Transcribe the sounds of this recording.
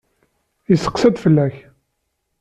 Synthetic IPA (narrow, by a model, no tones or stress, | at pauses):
jəsːə̥qsæd̪fəlːæç